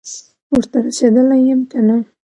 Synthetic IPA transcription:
wəɾt̪aɾased̪əlajəmkana

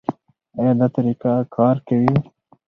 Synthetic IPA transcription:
ajad̪at̪ɐɾikakʰɑːɾkɐwi

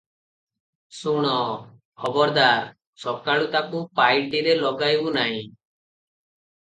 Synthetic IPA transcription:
suɽ̃ɔ | hɔbɔɾd̪aɾ | sɔkaɭut̪akupajʈiɾelɔɡajbunaɦĩ

